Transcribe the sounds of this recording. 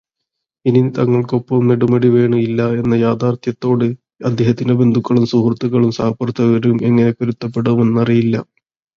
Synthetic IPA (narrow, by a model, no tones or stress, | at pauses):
init̪ɐŋːɐɭko̞pːɐmneɽumɐɽiʋe̞ːɳɨilːɐe̞nːɐjaːd̪aːrt̪ʰjɐt̪ːo̞ːɽɨ | ɐd̪ʱjeɦɐt̪ːinebe̞nd̪ʱukːɐɭumsuhrɐt̪ːuɣɐɭumsaːpɐrt̪ʰːɐɣɐɾume̞ŋːɐnekːoɾut̪ːɐpːe̞ɽuʋume̞nːɨɐrijilːɐ